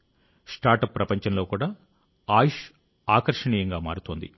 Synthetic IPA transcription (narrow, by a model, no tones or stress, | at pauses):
sʈaːɾʈɐpːɾɐpɐɲt͡ʃɐnlo̞ːkuːɽaː | aːjʃ | aːkɐɾʂɐɳiːjɐŋɡaːma̰ːɾut̪oːnd̪ḭ